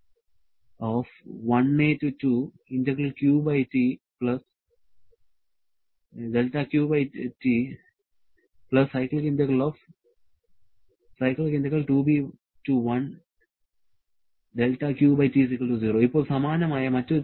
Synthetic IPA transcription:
ɔːfʋɐ̃neːʈuʈuː | ɪ̃ɳʈekəlkjuːbaɪʈiːplɐs | ɖelʈaːkjuːbaɪʈiː | plɐsːaɪklkĩɳʈekəlɔːf | saɪkəlkɪ̃ɳʈekəlʈuːbiː | ʈuːʋɐ̃n | ɖelʈaːkjuːbɐɪʈiːsikəlʈuziːɾoːipːoːlsɐmaːnɐmaːjamɐt͡ʃt͡ʃu

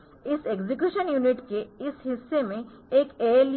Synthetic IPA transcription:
ɪseɡzik̬juːʃənjuːnɪʈkeɪsɦɪsːemẽ | eːkeːl

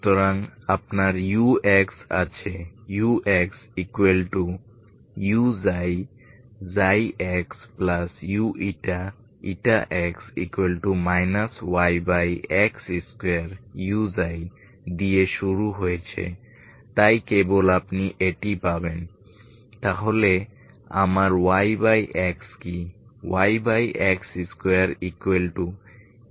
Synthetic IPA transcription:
t̪oɾaŋapnaɾjueksa̰t͡ɕʰejuʔeksikwelʈu | juzaj | zajʔɛksplasjuʔiʈa | ḭʈaʔɛksḭkuwelʈumajnaswajbajɛksiskeaɾjuzaj | d̪ijeʃuɾuɦojet͡ɕʰḛ | t̪ajkebolapniʔeʈipaben | t̪aɦole | a̰maɾwajbajʔɛkskiwajbajʔɛksiskeaɾikwelʈu

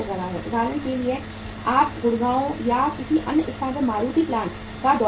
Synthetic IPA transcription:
ɐɡɛɾaɦɛːʔʊd̪ʱaːɾənkelie | aːpɡʊɽɡaːõjakɪsiʔɐnɪst̪ʰãːdəmaːɾuːt̪iplaːn | kad̪ɔː

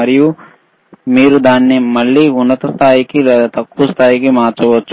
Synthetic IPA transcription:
ɐɾiju | miːɾud̪aːnːimɐɭːiːunːɐt̪ɐst̪ʰaːjikit̪ɐkːust̪ʰaːjikimaːɾt͡ʃɐʋɐt͡ʃːu

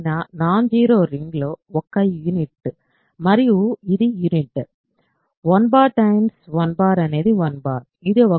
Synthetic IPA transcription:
naːnaːnd͡ʒiːɾoːɾɪŋɡloːɔkːɐjunɪʈːɯ | mɐɾɪuɪðɯjunɪʈːɨ | ʋɐnbaːɾʈɐɪmsʋɐnbaːɾɐneðiʋɐnbaːɾ | ɪðɯɔ

